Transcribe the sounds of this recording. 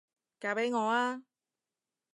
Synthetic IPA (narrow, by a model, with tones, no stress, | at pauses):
kaː˨˥pe˨˥jŋɔː˨˧aː˧